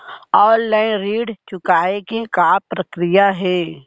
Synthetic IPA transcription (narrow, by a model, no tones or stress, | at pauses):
ɔːnlaːɪnɾiːɖt͡ʃʊkaːekekaːpɾəkɾɪjaɦɛː